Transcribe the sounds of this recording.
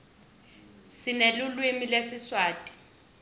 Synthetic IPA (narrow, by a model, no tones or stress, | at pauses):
sɪnelʊlwemilesɪswaːtʼi̥